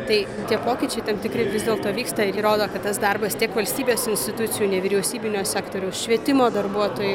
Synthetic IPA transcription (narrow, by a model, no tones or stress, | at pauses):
t̪ɐɪ | t̪ʲiɛpoːkʲɪt͡ʃʲɛɪt̪ɐmt̪ʲɪkɾʲɪʋʲɪzd̪ʲeːlˠt̪oːʋʲiːkst̪ɐɪiɾoːd̪oːkɐt̪t̪ːɐsd̪ɐrbɐst̪ʲiɛkʋɐlʲsʲt̪ʲiːbʲeːsɪnʲsʲt̪ʲɪt̪ʊt̪t͡s̪ʲɪjuːnʲɛʋʲɪɾʲɛʊsʲiːbʲɪnʲosʲæːkt̪oːɾʲɛʊsʃʲʋʲiɛt̪ʲɪmoːd̪ɐrbuɔt̪oːjɛ